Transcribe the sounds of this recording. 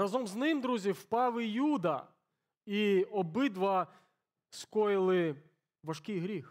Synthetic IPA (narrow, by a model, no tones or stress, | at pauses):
ɐzɔmznɪmd̪ɾuzʲiwpɑʋɪjud̪ɐ | iɔbɪd̪ʋɐ | skɔjɪlˠɪ | ʋɐʂkʲɪjɦɾʲix